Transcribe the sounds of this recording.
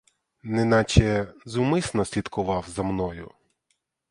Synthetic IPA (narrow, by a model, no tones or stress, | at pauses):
nɛnɑt͡ʃɛzumɪsnɔsʲlʲid̪kʊʋɑwzɐmnɔjʊ